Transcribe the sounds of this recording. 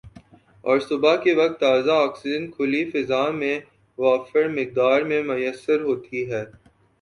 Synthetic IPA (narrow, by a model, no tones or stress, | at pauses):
ɔ̰ːɾsʊbakeʋɐk̚t̪ːaːzaaːksɪdə̃nkʰʊlifɪzaːmẽ | ʋaːfəɾmɪk̚d̪aːɾmẽmʊjəsːəɾɦoːt̪ʰiɦɛː